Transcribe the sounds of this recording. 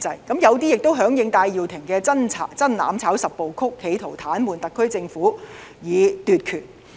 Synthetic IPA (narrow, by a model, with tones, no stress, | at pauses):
t͡sɐ˧jkɐ˨˥mjɐ˨˧wt̪i˥jɪ˨k̚t̪o˥wɦœː˨˥ŋjɪ˨˧ŋt̪aː˧jji˨wt̪ʰɪ˨˩ŋkɛː˧t͡sɐ˥nt͡sʰa˨˩t͡sɐ˥nla̰ː˨˧mt͡sʰaː˨˥wsɐ˨p̚po˨wkʰʊ˥kʰːe˨˧jt̪ʰo˨˩wt̪ʰaː˨˥nmuː˨˧nt̪ɐ˨kʰːɵ˥ɥt͡sɪ˧ŋfuː˨˥jiː˨˧t̪yː˨t̚kʰyː˨˩n